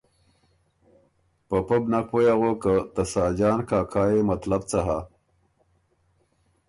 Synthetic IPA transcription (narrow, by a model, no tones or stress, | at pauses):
pɐpɐbnakwojaɣokət̪ɐsaːd͡ʑaːnkʰaːkʰaːjemɐt̪lɐb̚t͡sɐɦa